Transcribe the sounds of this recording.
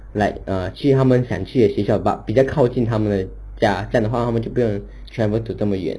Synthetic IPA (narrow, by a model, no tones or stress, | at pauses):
laɪət͡ɕʰyt̪ʰamənɕjɑ̰ŋt͡ɕʰyɕɥɛɕjɑʊa̰pit͡ɕjɑʊkʰɑʊt͡ɕint̪ʰamənd̪ə | t͡ɕjat͡ɕand̪əwat̪ʰaət͡ɕoʊpujʊŋ | t͡ɕʰɥɛnwet̪ʰut͡sɤməɥɛ̰n